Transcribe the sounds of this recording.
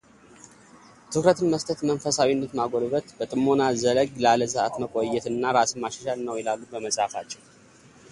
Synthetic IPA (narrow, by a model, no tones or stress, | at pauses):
t̪ʰɨkɾət̪ʰɨnməst̪ʰət̪mənfəsawinːət̪maɡolβət̪bət̪ʼɨmːonazələɡlaləsɨʔa̰t̪məkʼojːɛt̪ɨnːaɾasɨmmaʃɛʃalnːəwɛlalubəməsʼafat͡ʃːɛw